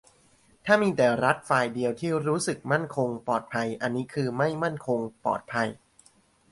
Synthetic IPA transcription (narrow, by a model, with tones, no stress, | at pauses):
t̪ʰaː˥˩miː˧t̪ɛː˨˩ɾa˦˥t̪̚faː˧jdi˧əwt̪ʰiː˥˩ɾuː˦˥sɯ˨˩k̚ma˥˩nkʰo˧ŋpɔː˨˩t̪̚pʰa˧jʔa˧nːiː˦˥kʰɯː˧ma˥˩jma˥˩nkʰo˧ŋpɔ̰ː˨˩t̪̚pʰa˧j